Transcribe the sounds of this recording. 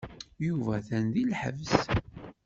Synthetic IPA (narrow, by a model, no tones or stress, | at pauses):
juvæθænðilħəvs